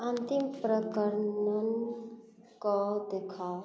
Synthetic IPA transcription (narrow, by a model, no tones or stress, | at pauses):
ənt̪impɾəkəɾnən | kɔd̪ekʰa